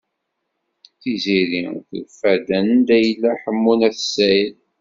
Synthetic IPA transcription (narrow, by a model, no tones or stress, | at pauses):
θiziɾḭθəlfæd̪ænnd̪æjəlːæħəmːunæθəsæjəl